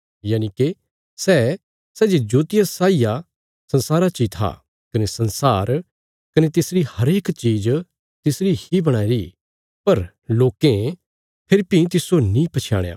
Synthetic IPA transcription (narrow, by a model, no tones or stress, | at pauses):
jaːñĩke | sɛ | sɛːd͡ʒed͡ʒoːt̪ɪjasaːija | sɐ̃nsaːɾat͡ʃiːt̪ʰa̰ | kɐnesɐ̃nsaːɾ | kɐnet̪ɪsɾihɐɾeːkt͡ʃiːd͡ʒ | t̪ɪsɾihibɐɽ̃aːiɾi | pɐɾ | loːkẽ | pʰɪɾpĩt̪̬ɪsonĩpɐt͡ʃʰja̰ːɽ̃ja̰ː